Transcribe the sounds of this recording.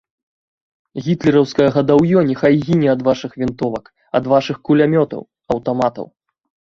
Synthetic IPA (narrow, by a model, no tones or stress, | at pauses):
ɣʲit̪lʲɛɾɐwskɐjɐɣɐd̪awjɔnʲɛxajɣʲinʲɛɐd̪vaʂɨxvʲint̪ɔvɐk | ɐ̰d̪vaʂɨxkulʲamʲɔt̪ɐ̰w | ɐwt̪ɔmat̪ɐ̰w